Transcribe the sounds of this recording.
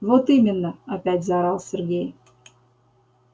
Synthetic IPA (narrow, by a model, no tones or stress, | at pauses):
vot̪imʲɪnːəapʲætʲzɑɾɑlˠsʲerɡʲej